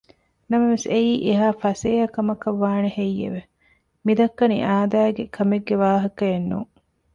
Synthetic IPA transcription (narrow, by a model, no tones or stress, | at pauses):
nɐmɐʋeseiːʔeɦaːfɐseːɦɐkɐmɐkɐʋːaːnehejːḛʋe | mid̪ɐkːɐnḭʔaːd̪aːɡekʰɐmeɡːeʋaːɦɐkɐenːṵŋ